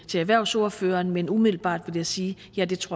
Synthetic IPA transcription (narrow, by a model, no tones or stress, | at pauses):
t͡sʰe̝læʋæɐ̰ʊsɔ̝ːɐfø̰ːɐːnmenumiðˠl̩b̥ɑ̰̈ːd̥ʋe̝ljɑ̈ɪsiː | jæd̥e̝t͡sʰʁoɐ